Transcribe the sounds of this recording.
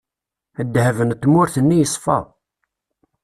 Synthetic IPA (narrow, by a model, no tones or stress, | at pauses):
əd̪ːhævənt̪ːmʊɾθənːijəsˤːfɑ̰